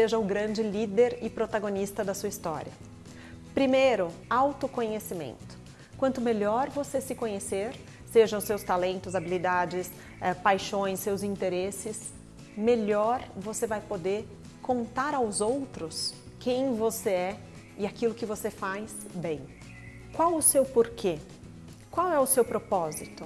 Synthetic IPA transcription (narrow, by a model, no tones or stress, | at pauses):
seʒɐʊɡɾɐ̃nd͡ʒɪlid̪eɾɪpɾot̪aɡõnist̪ɐd̪ɐsuɐist̪ɔ̰ɾiɐ | pɾimejɾʊawt̪ʊkõɲesimḛ̃nt̪ʊ̥ | kwɐ̃nt̪ʊmeʎɔɾvosesɪkõɲeseɾ | seʒɐ̃w̃ʊsewst̪alẽnt̪ʊzabilid̪ad͡ʒɪs | ɛpajʃõj̃sːewzĩnt̪eɾesɪs | meʎɔɾvosevajpod̪eɾ | kõnt̪aɾawzowt̪ɾʊs | kẽj̃voseɛ | ɪakilʊkɪvosefajsbẽj̃ | kwawʊsewpoɾkʰe | kwawɛʊsewpɾopɔzit̪ʊ